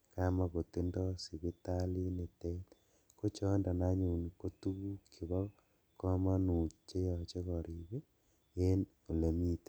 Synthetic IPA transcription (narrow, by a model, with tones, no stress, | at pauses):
ka˦ma˦ko˨t̪i˦ndɔ˦si˨βi˦t̪a˦li˦ne˨te˦t | ko˦t͡ʃɔ˦nda˨na˦ɲu˨n˨ko˦t̪u˦ku˦kʰi˨βɔ˦ | kɔ˦ma˦nu˨t͡ʃe˦jɔ˨t͡ʃe˦ɣɔ˨ɾi˨βe˦ | e˦n | o˨le˨mi˦t̪e̥˨